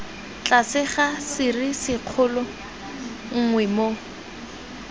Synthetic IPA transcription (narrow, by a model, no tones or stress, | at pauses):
t͡ɬʼasɪχasɪrisɪq͡χʰʊlʊ | ŋ̩ŋwɛmo